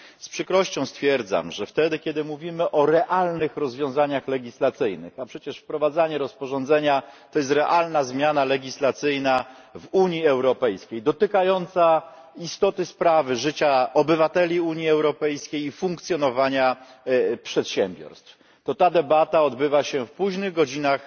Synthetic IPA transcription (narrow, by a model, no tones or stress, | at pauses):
spʂɘkɾɔɕt͡ɕɔ̃w̃st̪fʲjɛɾd̪za̰mʐɛft̪ɛd̪ɘkʲɛd̪ɘmuvʲimɘʔɔɾɛʔalnɘxɾɔzvʲjɔ̃w̃zaɲaxlɛɡʲislat̪sɘjnɘ̰xapʂɛt͡ɕɛʂfpɾɔvad̪zaɲɛɾɔspɔʐɔ̃nd̪zɛɲat̪ɔjɛs̬t̪ɾɛʔalnazmʲjanalɛɡʲislat̪sɘjna | vuɲiɛwɾɔpɛjskʲejd̪ɔt̪ɘkajɔnt̪sa | ist̪ɔt̪ɘspɾavɘʐɘt͡ɕaɔbɘvat̪ɛlʲiuɲiɛwɾɔpɛjskʲejifũŋkt̪sʲjɔnɔvaɲa | pʂɛt̪ɕɛmbʲjɔ̰ɾst̪f | t̪ɔt̪ad̪ɛbat̪aɔd̪bɘvaɕɛfpuʑnɘɣɡɔd͡ʑinax